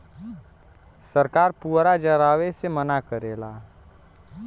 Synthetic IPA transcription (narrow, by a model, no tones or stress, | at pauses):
səɾkaːɾpuːɾad͡ʒəɾaːwesemənakəɾeːla